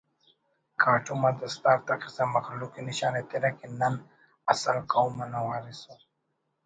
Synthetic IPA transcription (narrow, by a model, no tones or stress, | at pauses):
kʰaːʈumad̪əst̪aɾt̪aqisamaxlukiniɕaːnet̪eɾakenan | asalkaumanawaːɾiso